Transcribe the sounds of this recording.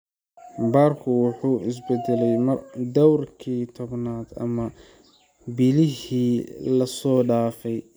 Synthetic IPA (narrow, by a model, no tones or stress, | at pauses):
baːrkʰʊwʊħuːɪs̬bɛd̪ɛlɛjmɐrd̪ɔwrkʰiːt̪ʰɔβnaːd̪ɐ̰mɐ | bɪlɪɦiːlɐsɔːɖaːfɛj